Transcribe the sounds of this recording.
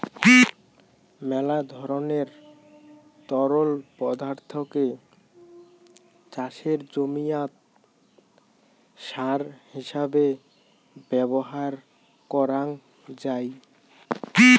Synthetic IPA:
mɛlad̪ʱɔɾoneɾ | t̪ɔɾolpɔd̪aɾt̪ʰoke | t͡ɕaʃeɾd͡ʑomijat̪ | ʃaɾhiʃabe | bɛboɦaɾ | kɔɾaŋ | d͡ʑaj

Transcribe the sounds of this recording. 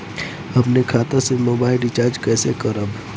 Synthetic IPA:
ɐpnekʰaːt̪ãsemoːbaːɪlɖɪt͡ʃaːɾd͡ʒkɛːsekəɾəb

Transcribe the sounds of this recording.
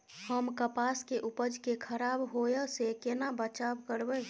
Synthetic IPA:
həmkəpaskeʔupəd͡ʒkekʰəɾabɦojəsekenabət͡ʃabkəɾbə

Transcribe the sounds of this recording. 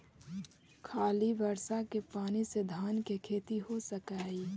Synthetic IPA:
kʰaːlibəɾsakepaːnised̪ʱaːnkekʰeːt̪iɦosəkaːiː

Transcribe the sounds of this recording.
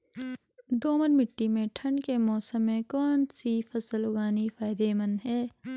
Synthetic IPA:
d̪oːməɾmɪʈːimẽʈʰɐ̃ɳɖkemɔːsəmːẽkɔːnsifɐsəlʊɡaːnifaːɪd̪eːmɐnɦɛː

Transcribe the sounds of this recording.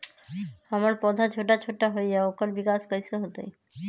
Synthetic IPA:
amaɾpɔd̪ʱat͡ɕʰoʈ̬at͡ɕʰoʈːaɦojaokaɾbikaskajsoɦot̪oj

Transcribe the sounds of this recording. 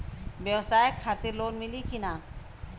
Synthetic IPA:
bewsaːekʰaːt̪ɪɾloːnmilikinaː

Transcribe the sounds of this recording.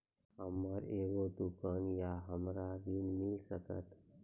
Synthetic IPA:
ɦəmːaɾeːʋod̪ukaːnjaɦəmɾaɾinmɪlsəkə̰t̪

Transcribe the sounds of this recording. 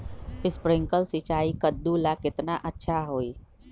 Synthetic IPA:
ɪspɾɪ̃ŋkəlsɪt͡ʃaːikəd̪ːulakɪt̪naʔətːʃʰaɦoːiː

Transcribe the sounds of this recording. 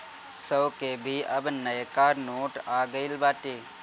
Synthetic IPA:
səwkebʱiʔɐbnəjkaːɾnoːʈaːɡəɪlbaːʈiː

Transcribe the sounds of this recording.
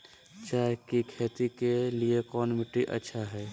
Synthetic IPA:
t͡ʃaːɦekikʰeːt̪ikeliekɔːnmiʈːiʔə̰tːʃʰaɦɛː

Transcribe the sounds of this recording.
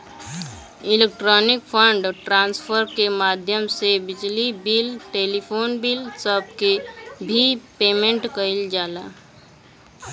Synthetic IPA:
ɪlek̚ʈɾɔːnɪkpʰəɳɖʈɾãːnspʰəɾkemaːd̪ʱjəmsebɪd͡ʒlibilʈeːlipʰoːnbiːlsəb̚kebʱipeːmẽɳʈkəɪld͡ʒaːlaː

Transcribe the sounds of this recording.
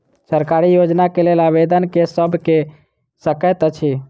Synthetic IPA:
səɾkaɾijod͡ʒnakelelaʋed̪ənkesəbʱke | səkət̪t͡ʃʰi

